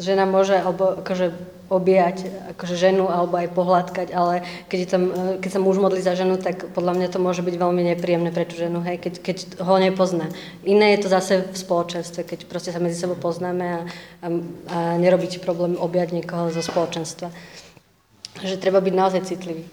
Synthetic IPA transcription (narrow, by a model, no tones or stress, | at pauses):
ʒɛnamʊɔʒɛalɛbɔʔakɔʒɛ | ɔbɪacakɔʒɛʒɛnualɛbɔajpɔɦlaːt̪kaɟalɛkɛɟɛt̪amkɛcsamuʒmɔd̪lizaʒɛnut̪akpɔd̪lamɲat̪ɔmʊɔʒɛbiɟʋɛlmiɲɛpɾiːjɛmnɛːpɾɛt̪uːʒɛnuɦɛjkɛckɛcɦɔɲɛpɔznaː | ʔinɛːjɛt̪ɔzasɛfspɔlɔt͡ʃɛnst̪ʋɛkɛcpɾɔscɛsamɛd͡zisɛbɔʊpɔznaːmɛa | aɲɛɾɔbiːcɛ̥pɾɔblɛːmɔbɪjaɟɲɪɛkɔɦɔzɔspɔlɔt͡ʃɛnst̪ʋa | ʒɛt̪ɾɛbabiɟnaɔzajt͡sit̪liʋiː